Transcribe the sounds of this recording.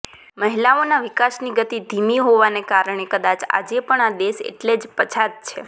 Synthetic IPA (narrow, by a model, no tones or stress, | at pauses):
məɦilaonaʋɪkasniɡət̪id̪ʱimiɦoʋanekaɾəɳ̃ekəd̪at͡ʃa̰d͡ʒepəɳad̪eʃḛʈled͡ʒpət͡ʃʰad̪̚t͡ʃʰḛ